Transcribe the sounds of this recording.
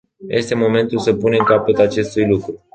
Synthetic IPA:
jʔe̞st̪e̞mo̞mẽ̞nt̪ulsəpune̞mkapət̪at͡ʃe̞st̪ujlukɾu

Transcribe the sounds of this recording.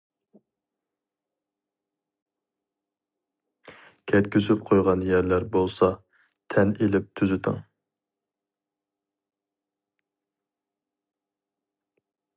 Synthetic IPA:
kʲʰɛt̪kʲʰysyp̚qʰojʁɑnjæɾlæɾbolˠsɑ | t̪ʰɛnelɪp̚t̪ʰyzɪt̪ʰɪ̰ŋ

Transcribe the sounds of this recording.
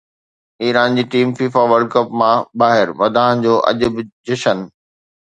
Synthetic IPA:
iːɾaːnd͡ʑiːʈiːmfiːfaʋəɾɖkəpmãbaːɦɪɾʋɐd̪ʱaːɦə̃nd͡ʑoːʔɐ̰ʄʊbɪd͡ʑɪʃən

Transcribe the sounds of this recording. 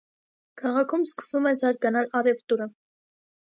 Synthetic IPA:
kʰɑʁɑkʰumskə̥sumɛzɑɾɡɑnɑlɑrɛvt̪uɾə

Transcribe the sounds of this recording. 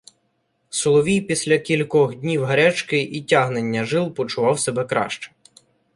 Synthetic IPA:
sʊlˠɔʋʲijpʲisʲlʲɐkʲilʲkɔxdʲnʲiwɦɐɾɛt͡ʃkɪʔitʲaɦnenʲːɐʒɪlˠpɔt͡ʃʊʋɑwsebɛkɾɑ̰ʃt͡ʃɛ̥

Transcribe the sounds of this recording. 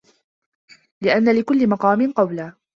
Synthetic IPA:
lɪʔanːalɪkʊlːɪmɑqɑːmɪnqɑwlaː

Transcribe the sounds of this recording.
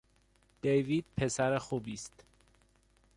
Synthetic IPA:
d̪̥ejviːd̪̥̚pʰesæɾexuːbiːst̪

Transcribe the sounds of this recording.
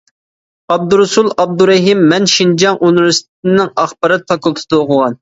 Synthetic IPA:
ɑb̚d̪uɾusulˠɑb̚d̪uɾɛɦimːɛnʃind͡ʒɑŋʔunuɾust̪ʰɪnɪŋɑχbɑɾɨt̪ʰːɑkʊlˠt̪ʰɨ̥d̪ɑoqʰʊʁɑn

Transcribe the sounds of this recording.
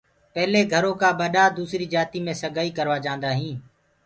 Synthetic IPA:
pɛɦleːɡʱəɾõːkãːɓəɗaːd̪uːsɾiːd͡ʒaːt̪iːmẽːsəɡʱaːiːkəɾʋaːd͡ʒãːnd̪aːɦĩː

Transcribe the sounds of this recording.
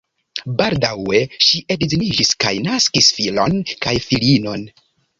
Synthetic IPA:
baldawe̞ʃiʔedzinid͡ʒiska̰jnaskisfilo̞nkajfilino̞n

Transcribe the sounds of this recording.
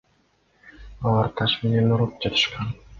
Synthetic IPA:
ɑlˠɑɾt̪ʰɑʃme̞ne̞nuɾup̚d͡ʒɑt̪ʰɯ̥ʃqɑn

